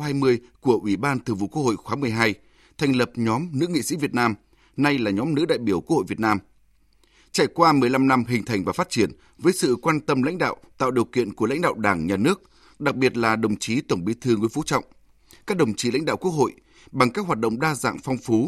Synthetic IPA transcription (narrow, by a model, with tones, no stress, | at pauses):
haː˧jmɨ˧əjku˧˩əʔwi˧˩ɓaː˧nt̪ɨ˨˩vṵ˧˨ʔku˦˥ək̚ho̰˧˨jxwaː˨˦mɨ˨˩əjɦaː˧j | t̪ʰa˨˩jŋ̟lə˨˩p̚ɲɔ˨˦mnɨ̰˧˥ŋḭ˧˨sḭ˧˥vi˨˩ət̚naː˧m | na˧jlaː˨˩ɲɔ˨˦mnɨ̰˧˥ɗa̰ː˧˨jɓi˧˩əwku˦˥əho̰˧˨jvi˨˩ət̚naː˧m | t͡ɕa˧˩jkwaː˧mɨ˨˩əjla˧mna˧mɦï˨˩ŋ̟t̪ʰa˨˩jŋ̟vaː˨˩fa˦˥t̚t͡ɕi˧˩ən | vəː˨˦jsɨ̰˧˨kwaː˧nt̪ə˧mla̰˧˥jŋ̟ɗa̰ː˧˨wt̪a̰ː˧˨wɗi˨˩əwkḭ˧˨ənku˧˩əla̰˧˥ŋ̟ɗa̰ː˧˨wɗaː˧˩ŋɲaː˨˩nɨ˦˥ək̚ | ɗa˨˩k̚ɓi˨˩ət̚laː˨˩ɗə˨˩wŋ͡mt͡ɕi˨˦t̪ə˧˩wŋ͡mɓi˨˦t̪ʰɨ˧ŋṵ˧˥˦fu˨˦t͡ɕɔ̰˧˨wŋ͡m | kaː˦˥k̚ɗə˨˩wŋ͡mt͡ɕi˨˦la̰˧˥jŋ̟ɗa̰ː˧˨wku˦˥ək̚ho̰˧˨j | ɓa˨˩ŋkaː˦˥k̚ɦwaː˨˩t̚ɗə̰˧˨wŋ͡mɗaː˧za̰ː˧˨ŋfɔ˧wŋ͡mfu˨˦